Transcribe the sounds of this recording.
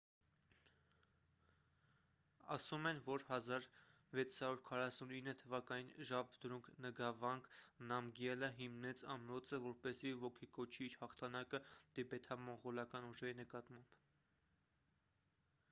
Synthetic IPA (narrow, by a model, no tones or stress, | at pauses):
ɑsumɛnvɔɾhɑzɑɾ | vɛt͡sʰhɑɾuɾkʰɑrɑsuninːət̪ʰəvɑkɑninʒɑbd̪əɾuŋkʰnəɡɑvɑŋɡnɑmɡjɛləɦimnɛt͡sɑmɾɔt͡səvɔɾpɛsivɔkʰikɔt͡ʃʰiɾhɑχt̪ʰɑnɑkəd̪̥ɛbɛt̪ʰɑmɔɴʁɔlɑkɑnuʒɛɾinəkɑt̪mɑmb̥